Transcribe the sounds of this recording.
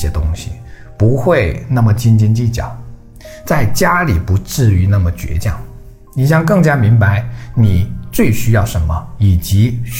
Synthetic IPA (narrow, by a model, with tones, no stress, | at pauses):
jɛ˥t̪ʊ˥ŋɕḭ˨˩ | pu˧˥xwe˥˧ɪna˥˩mə˩t͡ɕi˥nt͡ɕi˥nt͡ɕi˥˩t͡ɕjɑ̰˨˩˦ʊ | t͡sa˥˩ɪt͡ɕja˥li˨˩pu˧˥ʈ͡ʂɻ̩˥˩y˧˥na˥˩mə˩t͡ɕɥɛ̰˧˥t͡ɕjɑ̰˥˩ŋ | ni˨˩ɕ̬jɑ˥˧ŋk̬ɤ˥˩ŋt͡ɕja˥mi˧˥ŋba˧˥ɪni˨˩t͡swe˥˩ɪɕy˥jɑ˥˩ʊʂə˧˥nmə˧i˨˩t͡ɕi˧˥